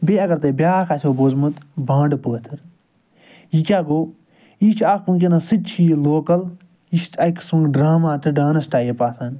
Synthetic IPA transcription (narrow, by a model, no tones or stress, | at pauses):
beːɐɡɐɾt̪eːbʲjaːkʰasʲʰoːboːzmɐt̪bãːɳɖpəːt̪ʰɨɾ | jikʲaːɡoː | iːt͡ʃʰaːkpuŋkʲenasɨt͡ʃʰiːloːkɐl | iʃt̪ʰɐksuŋɡɖɾaːmaːt̪ʰɨɖaːnɐsʈaːjepaːsaːnʲ